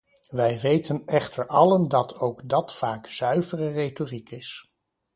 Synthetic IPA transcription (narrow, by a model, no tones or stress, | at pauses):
ʋɛjʋejtənɛχtəɹɑləndɑtʰowɡdɑtfaːkz̥œɥvərərejtorikɪs